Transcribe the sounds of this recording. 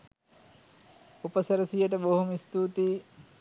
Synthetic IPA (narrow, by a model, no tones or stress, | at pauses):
upəsəɾəsijəʈ̬əboɦumist̪uːt̪iː